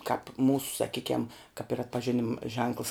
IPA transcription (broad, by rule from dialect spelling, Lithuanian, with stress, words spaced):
kɑːp ˈmuːsʊ sɐˈkʲiːkʲɛm kɐp ɪr ɐtpɐʒʲɪˈnʲɪm ʒʲɛŋklˠs